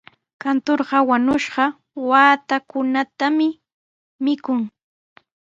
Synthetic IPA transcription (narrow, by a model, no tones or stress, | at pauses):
kant̪oɾɢɑwaɲʊʃɢɑ | waːt̪akʊnat̪amɪ | mɪkʊŋ